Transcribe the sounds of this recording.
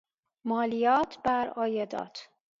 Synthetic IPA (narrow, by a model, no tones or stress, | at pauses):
mɒːlijɒːt̪ʰbæɾɒːjed̪ɒ̰ːt̪ʰ